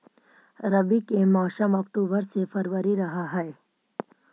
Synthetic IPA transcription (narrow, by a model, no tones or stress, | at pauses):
ɾəbikemaːʃəmɔːkʈuːbəɾsefɐɾʋəɾiɾɐɦaɦɛe